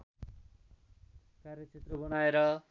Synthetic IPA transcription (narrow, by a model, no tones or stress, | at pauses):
karjʌt͡sʰet̪rʌbʌnaeɾʌ